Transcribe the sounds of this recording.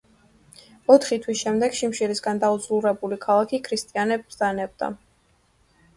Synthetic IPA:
ɔt̪ʰχit̪ʰwisʃɛmd̪ɛɡ̥ʃimʃiɾisɡand̪aud̪zluɾɛbulikʰalˠakʰikʰɾist̪ʼianɛb̪zanɛb̚d̪a̰

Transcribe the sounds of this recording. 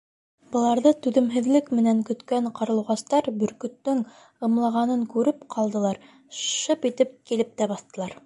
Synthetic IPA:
bɤ̆lˠɑɾðɤt̪ʉðɘ̆mɦɘ̆ðlɘkmɘ̆næŋkɵ̆t̪kæɴqɑɾlˠɤ̆wʁɑst̪ɑɾbɵ̆ɾkɵ̆t̪ːɵŋ | ɤ̆mlˠɑʁɑnɤŋkʉɾɘpqʰɑlˠd̪ɤ̆lˠɑɾ | ʃɤpit̪ɘp̚kilɘp̚t̪æbɑθt̪ɤ̆lˠɑɾ

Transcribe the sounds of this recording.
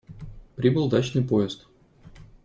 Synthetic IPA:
pɾʲibɨlˠd̪at͡ɕnɨjpoɪst̪

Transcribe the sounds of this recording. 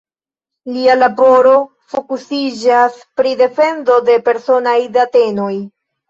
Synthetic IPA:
lialabo̞ɾo̞ | fo̞kusid͡ʒaspɾide̞fe̞nzo̞de̞pe̞ɾso̞najdate̞no̞j

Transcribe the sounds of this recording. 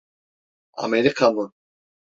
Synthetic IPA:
a̰meɾikʰamu

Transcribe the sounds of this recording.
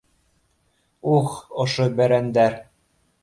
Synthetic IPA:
uxɤ̆ʃɤbæɾænd̪æɾ

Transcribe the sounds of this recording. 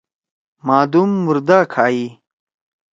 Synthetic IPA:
maːd̪umːuɾd̪aːkʰaːi

